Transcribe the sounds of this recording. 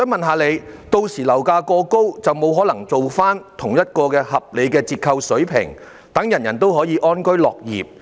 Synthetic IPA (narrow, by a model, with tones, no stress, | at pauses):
sœ˨˥mɐ˨nɦaː˨˧le˨˧jt̪o˧wsiː˨˩lɐ˨˩wkaː˧kɔː˧ko˥wt͡sɐ˨wmo˨˧wɦɔː˨˥lɐ˨˩ŋt͡so˨wfaː˥nt̪ʰʊ˨˩ŋjɐ˥t̚kɔː˧kɛː˧hɐ˨p̚le˨˧jkɛː˧t͡siː˧t̚kʰɐ˧wsɵ˨˥ɥpʰɪ̰˨˩ŋ | t̪ɐ˨˥ŋjɐ˨˩njɐ˨˩nt̪o˥wɦɔː˨˥jiː˨˧ʔɔː˥nkɵ˥ɥlɔː˨k̚jḭː˨p̚